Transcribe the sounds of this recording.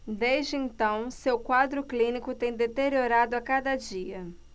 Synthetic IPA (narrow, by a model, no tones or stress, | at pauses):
d̪ezd͡ʒɪẽnt̪ɐ̃w̃sewkwad̪ɾʊklĩnikʊt̪ẽj̃d̪et̪eɾioɾad̪ʊakad̪ɐd͡ʒiɐ